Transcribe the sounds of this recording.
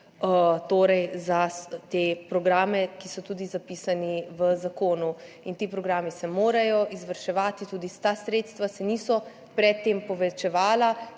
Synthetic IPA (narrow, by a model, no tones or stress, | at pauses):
ət̪oːɾɛjzat̪eːpɾɔɡɾaːmɛkisɔt̪uːd̪izapiːsaniʋəzakoːnu | int̪iːpɾɔɡɾaːmisɛmoːɾajɔʔizʋəɾʃɛʋaːt̪it̪uːd̪ist̪asɾet̪st̪ʋasɛniːsɔ | pɾɛt̪ːeːmpɔʋɛt͡ʃɛʋaːla